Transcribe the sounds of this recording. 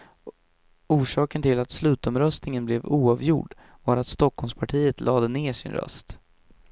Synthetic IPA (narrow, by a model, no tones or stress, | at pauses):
uːʂɑːkənt̪ʰɪlat̪slʉ̟ːt̪ɔmɾœst̪nɪŋənblɛvuːɑvjʊ̰ɖ | vɑːɾat̪st̪ɔkhɔlmspʰaʈʰiːət̪lʔɑːd̪əneːʂɪ̰nɾœ̰st̪